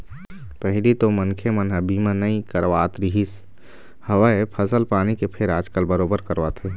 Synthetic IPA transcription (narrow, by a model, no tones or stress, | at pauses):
pəɦɪlit̪omənkʰemənɦəbimə̃nəĩkəɾʋaːt̪ɾiɦis | həʋaepʰəsəlpaːnikepʰeɾaːd͡ʒkəlbəɾoːbəɾkəɾʋaːt̪ɦe